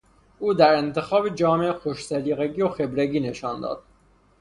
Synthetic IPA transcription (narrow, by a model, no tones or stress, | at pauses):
ʔuːd̪æɾent̪ʰe̞xɒːbed͡ʒɒːmeʔxoʃsæliːɣeɡijoxe̞bɾeɡiːne̞ʃɒːnd̪ɒ̰ːd̪̥̚